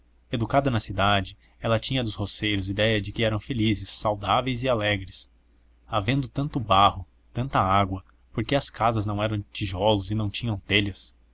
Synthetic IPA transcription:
ed̪ukad̪ɐnɐsid̪ad͡ʒɪ | ɛlɐt͡ʃĩɲɐd̪ʊshosejɾʊzid̪ɛjɐd͡ʒɪkɪɛɾɐ̃w̃felizɪsːawd̪avejzɪalɛɡɾɪs | avẽnd̪ʊt̪ɐ̃nt̪ʊbahʊ | t̪ɐ̃nt̪ɐaɡwɐ | poɾkeɐskazɐznɐ̃w̃ɛɾɐ̃w̃t͡ʃiʒɔlʊzɪnɐ̃w̃t͡ʃĩɲɐ̃w̃t̪eʎɐs

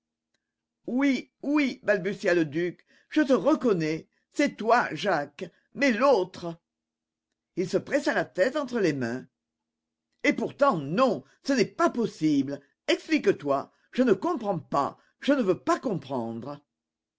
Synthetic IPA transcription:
wiwibalbysjaləd̪yk | ʒ̥ət̪əʁəkɔnɛ | sɛt̪waʒak | mɛlot̪χə | ilsəpχɛsalat̪ɛt̪ɑ̃t̪χəlemɛ̃ | epuʁt̪ɑ̃nɔ̃ | sənɛpapɔsibl | ɛksplikət̪wa | ʒ̥ənəkɔ̃pχɑ̃pa̰ | ʒ̥ənəvøpakɔ̃pχɑ̃d̪ʁə

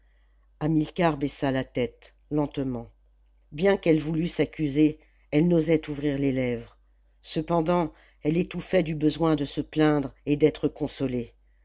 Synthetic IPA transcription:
amilkaʁbɛsalat̪ɛt̪ | lɑ̃t̪mɑ̃ | bjɛ̃kɛlvulysakʲyze | ɛlnozɛt̪uvʁiʁlelɛvʁ | səpɑ̃d̪ɑ̃ | ɛlet̪ufɛd̪ybəzwɛ̃d̪əsəplɛ̃d̪ʁed̪ɛt̪χəkɔ̃sɔle

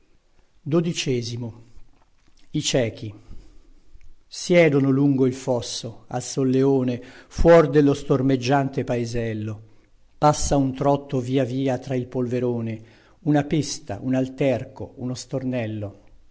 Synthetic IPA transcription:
d̪od̪it͡ʃɛːzimo | it͡ʃɛːk̟i | sjɛːd̪onoluŋɡoilfɔsːoa̰lsolːeoːnefwɔrd̪elːost̪ormed͡ʒːant̪epaezɛlːo | pasːaunt̪ɾɔt̪ːoviːaviːat̪ɾailpolveɾoːne | unapist̪a̰ʔunalt̪ɛrkounost̪ornɛlːo

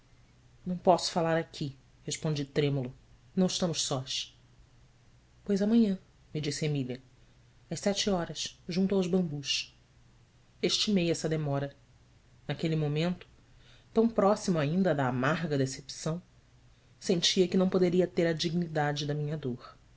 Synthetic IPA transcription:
nɐ̃w̃pɔsʊ̥falaɾakʲʰi | heʃpõnd͡ʒit̪ɾẽmulʊnɐ̃w̃ɪʃt̪ɐ̃mʊʃsɔʃ | pojzɐmɐ̃ɲɐ̃ | mid͡ʒisɪemilʲɐ | ɐʃsɛt͡ʃiɔɾɐsʒũnt̪uawʒbɐ̃mbuʃ | eʃt͡ʃimejɛsɐd̪emɔɾɐ | nakelimomẽnt̪ʊ̥ | t̪ɐ̃w̃pɾɔsimʊaĩnd̪ɐd̪aːmaɦɡɐd̪esepsɐ̃w̃ | sẽnt͡ʃiɐkɪnɐ̃w̃pod̪eɾiɐt̪eɾɐd͡ʒiɡnid̪ad͡ʒɪd̪ɐmĩɲɐd̪oχ

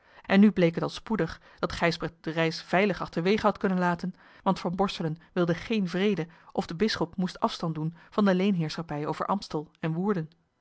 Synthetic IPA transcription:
ʔɛnːyblejkətɑlˠspudəχ | d̥ɑtχɛjsbrɛt̚d̥ərɛjsv̥ɛjləχɑχtəɹʋejχəɦɑtkɵnənlaːtən | ʋɑntfɑnbɔɹsələnʋɪlˠdəχejnvrejdəʔɔvdəbɪsχɔpmustɑfstɑndunv̥ɑndəlejnɦɪːɹsχɑpɛjowvə̰ɹʔɑmpstəlˠɛnʋuːɹdən

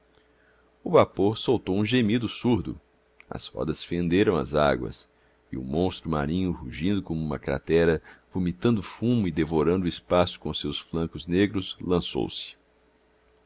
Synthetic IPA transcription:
ʊvapoɾsowt̪owũʒemid̪ʊsuɾd̪ʊ̰ | ɐ̰z̥hɔ̰d̪ɐsfẽnd̪eɾɐ̃w̃ɐ̰za̰ɡwɐ̰s | ɪ̰ʊ̰mõst̪ɾʊma̰ɾĩɲʊhuʒĩnd̪ʊkõmuũmɐkɾa̰t̪ɛɾɐvumit̪ɐ̃nd̪ʊfũmʊɪd̪evoɾɐ̃nd̪ʊɪspasʊ̥kõsewsflɐ̃kʊzneɡɾʊslɐ̃so̰wsɪ̥

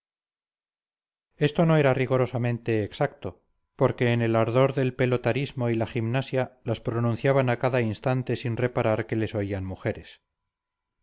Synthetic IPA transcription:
e̞st̪o̞no̞eɾariɣoɾo̞samẽ̞nt̪e̞ːksak̚t̪o̞ | po̞ɾke̞ːne̞laɾðo̞ɾðe̞lpe̞lot̪aɾizmo̞ilaχimnasjalaspɾonũn̟θjaβanakaðainst̪ant̪e̞sinre̞paɾaɾke̞le̞so̞ianmuxe̞ɾe̞s

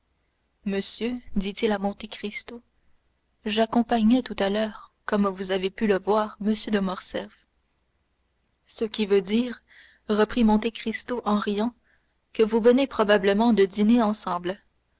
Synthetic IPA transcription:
məsjød̪it̪ilamɔ̃t̪ekχist̪o | ʒakɔ̃paɲɛt̪ut̪alœːʁkɔmvuzavepyləvwaːʁməsjød̪əmɔʁsɛf | səkʲivød̪iːʁ | ʁəpχimɔ̃t̪ekχist̪oʔɑ̃ʁijɑ̃ | kəvuvənepχɔbabləmɑ̃d̪əd̪ineɑ̃sɑ̃bl

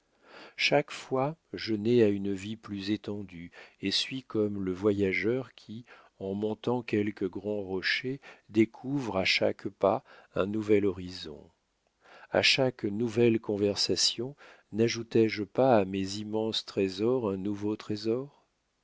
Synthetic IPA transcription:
ʃakfwaʒənɛaynviplyzet̪ɑ̃d̪yesɥikɔmləvwajaʒœʁkʲʰi | ɑ̃mɔ̃t̪ɑ̃kʲɛlkəɡʁɑ̃ʁɔʃed̪ekʰuvʁaʃa̰kpaɛ̰̃nuvɛlɔʁizɔ̰̃ | a̰ʃaknuvɛlkɔ̃vɛʁsasjɔ̃ | naʒut̪ɛʒpaːmezimɑ̃st̪χezɔʁɛ̃nuvot̪χezɔʁ

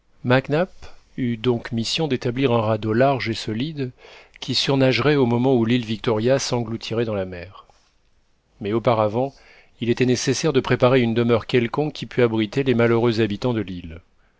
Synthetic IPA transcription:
maknapyd̪ɔ̃kmisjɔ̃d̪et̪abliʁɛ̃ʁad̪olaʁʒesɔlid̪kʲisyʁnaʒʁɛomɔmɑ̃ulilvik̚t̪ɔʁjasɑ̃ɡlut̪ʰiʁɛd̪ɑ̃lamɛːʁ | mɛopaʁavɑ̃ | ilet̪ɛnesesɛʁd̪əpχepaʁeynd̪əmœʁkʲɛlkɔ̃kʲːipyabʁit̪elemaløʁøzabit̪ɑ̃d̪əlil

